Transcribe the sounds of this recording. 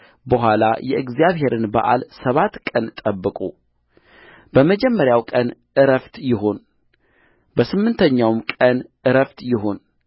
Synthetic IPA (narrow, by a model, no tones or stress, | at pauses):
bəɦʷalajɛʔɨɡzjaβɦe̞ɾɨnba̰ʔa̰lsəβat̪kʼənt̪ʼəbːɨkʼu | b̥əməd͡ʒɛmːəɾjawkʼənʔɨɾəft̪jɪɦo̞n | bəsɨmːɨnt̪ʰəɲːawmkʼənʔɨɾəft̪jɪɦo̞n